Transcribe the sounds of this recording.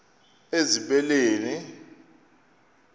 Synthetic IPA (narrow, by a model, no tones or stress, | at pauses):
eziɓɛleːni